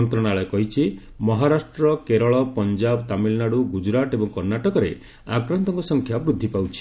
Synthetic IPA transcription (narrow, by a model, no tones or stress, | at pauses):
nt̪ɾɔɽ̃aɭɔkɔɦit͡ʃʰi | mɔɦaɾasʈɾɔkeɾɔɭɔpɔnd͡ʒabt̪amilnaɽuɡud͡ʒɾaʈebɔŋkɔɾnaʈɔkɔɾe | akɾant̪ɔŋkɔsɔŋkʰjabɾud̪ʱːipawt͡ʃʰi̥